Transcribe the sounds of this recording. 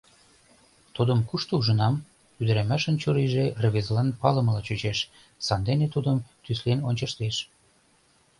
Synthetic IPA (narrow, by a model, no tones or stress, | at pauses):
t̪ud̪əmkuʃt̪ouʒə̆nɑm | yd̪ə̆ɾæmæʃə̆nt͡ɕuɾiʒerə̆βezlɑnpɑlə̆məlɑt͡ɕut͡ɕeʃ | sɑnd̪enet̪ud̪əmt̪yslenonʲt͡ɕəʃt̪eʃ